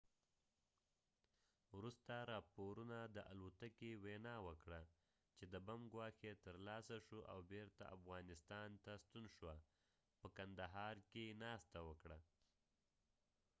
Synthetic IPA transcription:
wɾust̪aɾɑpoɾunad̪əʔalot̪akewenɑwəkɽa | t͡ʃed̪əbamɡwɑxet̪əɾlɑsaʃoʔa̰wbeɾt̪a̰ʔa̰fɣɑnɪst̪ɑnt̪ast̪unʃwa | pəkand̪aɦɑɾkenɑst̪awəkɽa

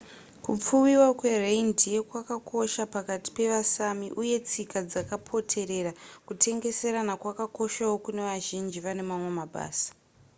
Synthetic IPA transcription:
kup͡fuwiwakwe̞rendije̞kwakakʰo̞ʃapakati̥pe̞ʋasamiʔuje̞t͡sikad͡zakapʰo̞tʰe̞ɾe̞ɾakutʰe̞ŋɡe̞se̞ɾanakwakako̞ʃawo̞kune̞ʋaʒind͡ʒiʋane̞mamwe̞maɓa̰ːsḁ

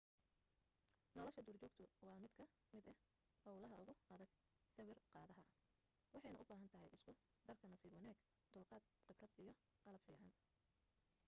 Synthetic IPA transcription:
nɔlɔʃɐd̪ʊːrt͡ʃɔːɡt̪ʰʊwɑːmɪd̪kʰɐ | mɪd̪ɐh | hɔwlɐɦɐʊɣʊɐðɐɡ | sɐwɪrqɑːðɐɦɐ | wɑħɑjnɐʔʊbaːɦɐnt̪ʰɐɦɛjʔɪskʰʊ | d̪ɐrkʰɐnɐsiːbɔnɛːɡ | d̪̥ʊlqɑːd̪qɪbrɐd̪ijɞ | qɑlɐbfiːʕɑn

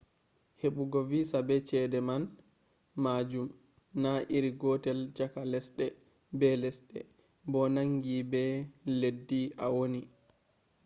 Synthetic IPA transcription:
heɓuɡɔvisabɛt͡ʃɛdɛman | maːd͡ʒum | naʔiɾiɡɔtɛld͡ʒakalɛsɗɛ | bɛlɛsɗɛ̰ | bɔnaŋɡibɛledːiʔawoni

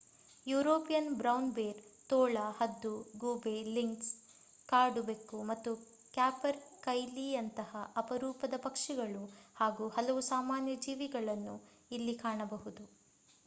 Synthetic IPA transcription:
juːɾoːpijɐnbɾɐwnbeːɾt̪oːɭɐhɐd̪ːuɡuːbeliŋks | kaːɾɖubekːumɐt̪ːu | kjaːpɐɾkɐjliɐnt̪ɐhɐʔɐpɐɾuːpɐd̪ɐpɐkʂiɡɐɭuhaːɡuːhɐlɐʋusaːmaːnjɐd͡ʒiːʋiɡɐɭɐnːu | ilːikaːɳɐbɐɦud̪u

